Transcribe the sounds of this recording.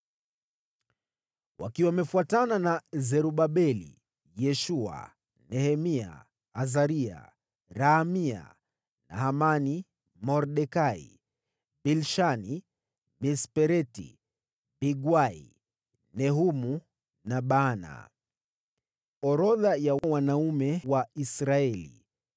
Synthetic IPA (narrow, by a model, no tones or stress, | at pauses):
wa̰kiwamɛfuatananazɛɾuɓaɓɛlḭ | jɛʃua̰ | nɛhɛmia̰ | azaɾia̰ | ɾaːmia̰ | na̰hamani | mɔɾɗɛkaḭ | bilʃani | bispɛɾɛtḭ | biɡwaḭ | nɛɦumu | naɓaːna̰ | ɔɾɔðajawwanaumɛwaisɾaɛlḭ